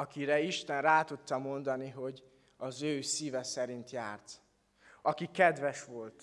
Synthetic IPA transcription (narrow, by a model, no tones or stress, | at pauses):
ɒkiɾɛiʃt̪ɛnraːt̪ut̪ːɒmo̞nd̪ɒniɦo̞ɟ | ɒzøːsiːvɛsɛɾint̪jaːrt̪ | ɒkikɛd̪ʋɛʃʋo̞lt̪